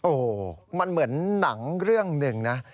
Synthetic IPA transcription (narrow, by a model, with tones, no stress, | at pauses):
ʔoː˨˩ma˧nmɯ˩˦ənːa˩˦ŋɾɯ˥˩əŋnɯ˨˩ŋna˦˥